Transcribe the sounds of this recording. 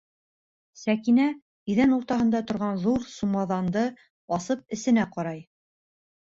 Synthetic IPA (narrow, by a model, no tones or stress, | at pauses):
sækinæ | iðænuɾt̪ɑɦɤ̆nd̪ɑt̪ŏɾʁɑnðuɾsumɑðɑnd̪ɤ | ɑsɤp̚ɘ̆sɘ̆næqɑɾɑj